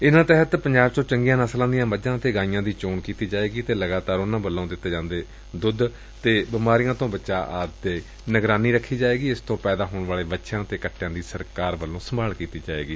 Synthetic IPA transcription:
ɪnãːt̪əɦət̪pəɲd͡ʒaːbt͡ʃõːt͡ʃəŋɡijãːnəslãːd̪ijãːməd͡ʒãːt̪eːɡãːɪjãːd̪iːt͡ʃoːɳkiːt̪iːd͡ʒaːeːɡiːt̪eːləɡaːt̪aːɾʊnãːbəlːãõːd̪ɪt̪ːeːd͡ʒãːnd̪eː | d̪ʊd̪ | t̪eːbɪmaːɾijãːt̪õːbətːʃaːʔaːd̪eː | nəɡɾaːniːɾəkʰːiːd͡ʒaːeːɡiːɪst̪õːpɛːd̪aːɦoːɳʋaːleːbətːʃãːt̪eːkəʈʰːjãːd̪iːsəɾkaːɾʋəlːõːsəmbaːlkiːt̪iːd͡ʒaːḛːɡiː

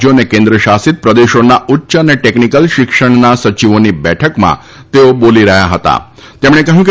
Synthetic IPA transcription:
jonekẽnd̪ɾəʃasit̪̚pɾəd̪eʃonautːʃəneʈeknikəlʃɪkʂəɳ̃nasət͡ʃiʋonibɛʈʰəkmã̰ | t̪eoboliɾəɦja̰ɦət̪a̰ | t̪emɽ̃ekəɦjũk

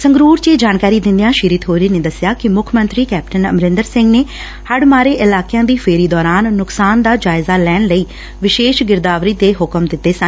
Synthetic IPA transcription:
səŋɡɾuːɾt͡ʃeːd͡ʒaːnkaːɾiːd̪ɪ̃nd̪ijãːʃiːɾɪt̪ɦoːɾiːneːd̪əsɪjaːkɪmʊkʰmə̃nt̪ɾiːkɛːp̚ʈənə̰mɾɪ̃nd̪əɾsɪ̃ŋɡneː | həɖmaːɾeːʔɪlaːkɪjãːd̪iːpʰeːɾiːd̪ɔːɾaːnːʊksaːnd̪aːd͡ʒaːɪzaːlɛːɳləiː | ʋɪʃeːʃɡɪɾd̪aːʋɾiːd̪eːɦʊkəmd̪ɪt̪ːeːsən

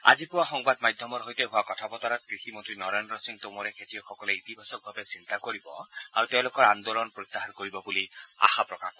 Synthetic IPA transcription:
a̰d͡ʒipuwaxɔŋbad̪majd̪ʱjɔmɔɾɦojt̪eɦʊwakɔt̪ʰapɔt̪aɾɔt̪kɾiximɔnt̪ɾinɔɾenɾɔsiŋt̪omɔɾekʰetijɔxʰɔkɔleit̪ibʱasɔk̚bʱabesint̪akoɾibɔ̰a̰ɾut̪ew̃lokɔɾand̪olɔnpɾot̪ːaɦankoɾibɔbulia̰xapɾɔkakɔ

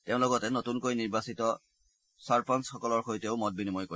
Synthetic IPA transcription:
teʊ̃lɔɡɔtɛnotunkojniɹbasitɔ | saɹpʰansxɔkɔlɔɹxojteʊmɔt̚binimɔjko

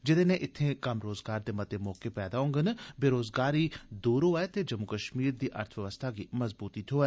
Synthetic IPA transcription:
d͡ʒɪd̪eːnẽːʔɪt̪ʰːẽːkəmɾoːzɡaːɾd̪eːmət̪eːmɔːkeːpɛːd̪aːɦõŋɡənbeːɾoːzɡaːɾiːd̪uːɾɦoːɛːt̪eːd͡ʒəmukəʃmiːɾd̪iːʔə̰ɾt̪ʰʋəʋəst̪ʰaːɡiːməzbuːt̪it̪ɦoːɛː

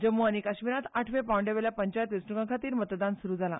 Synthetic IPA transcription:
d͡ʑəmːoəñikaɕmiɾat̪aʈʰʋẽpawɳɖeʋeljapəɲt͡ɕajt̪ʋisɳukãkʰat̪iːɾmət̪d̪ansuɾuːd͡zala̰

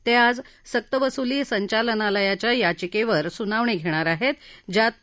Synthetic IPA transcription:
t̪ead͡zsək̚t̪əʋəsuliːsəɲt͡ɕalənaləjat͡ɕjajat͡ɕikeʋəɾsunaʋɳeɡʱeɽ̃aɾaɦet̪d͡ʑat̪̚

